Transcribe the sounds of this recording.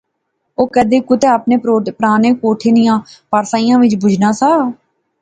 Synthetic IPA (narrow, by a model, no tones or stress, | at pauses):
oːkəd̪eːkʊt̪eːaːpneːpəɾaːneːkoːʈʰeːnɪjãːpaːɾsaːijãːʋɪt͡ʃbʊd͡ʒʱnãːsaː